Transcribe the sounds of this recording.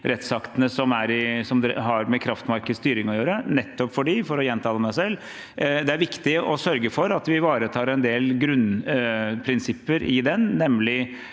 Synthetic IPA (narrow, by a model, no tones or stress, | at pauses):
ɾɛt̪sɑkt̪ənəsɔmæɾɪsɔmd̪ɦɑɾmɛkʰɾɑft̪mɑɾkəst̪yːɾɪŋɔjøːɾənɛt̪ːɔpfɔɖifɔɾɔjɛnt̪ʰɑːlmæsɛlː | d̪ɛæɾʋɪkt̪ɪʔɔsœɾɡəfɔɾɑt̪ʋɪʋɑːɾət̪ʰɑːɾɛnd̪eːlɡɾʉnː | pʰɾɪnsɪpːəɾɪd̪ɛnːɛmːlɪ